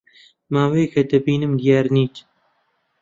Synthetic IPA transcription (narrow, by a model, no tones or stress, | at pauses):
maːwekɐd̪ɨbiːnɨmd̪ijaːɾniːt̪